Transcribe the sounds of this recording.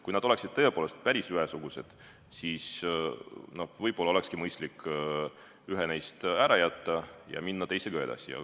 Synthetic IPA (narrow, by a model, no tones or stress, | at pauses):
kujnɑd̪̥o̞le̞ksid̪̥̚t̪ɤ̞e̞poːle̞st̪̚pæɾisyɦesuɡ̥use̞d̪̥ | siːs | no̞hvɤjb̥o̞lːɑole̞kskimɤjst̪likː | yɦenejst̪æɾɑjæt̪ːɑjɑ̰minːɑt̪e̞jseɡ̥ɑe̞d̪̥ɑ̰sijɑ̰